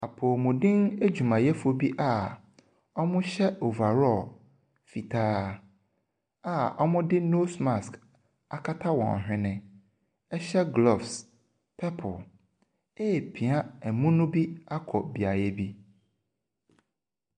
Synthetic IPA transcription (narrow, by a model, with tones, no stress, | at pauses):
a˨pʰo˨mʊ̃˨dɪ̃˦ŋe˦d͡ʑᶣu˨mã˨jɛ˦fo˨bi˦ʔa˦ | ɔ˦mʊ̃˦ɕɛ˦o˨va˨ɾɔ˦˨l | fi˨tʰaː˦ | a˦˨ɔ˦mʊ̃˦dɪ˦no˦sma˨sk | a˨kʰa˦tʰa˦wɔ̰̃˨n˨ɦᶣɪ̃˦nɪ̃˨ | ɛ˦ɕɛ˦ɡlɔ˨fs | pʰɛ˦pʰʊ̰˨ | e˦˨pʰi˨a˦ɛ˨mũ˦nʊ̃˦bi˦a˦kʰɔ˨bi˨a˨jɛ˦bi˦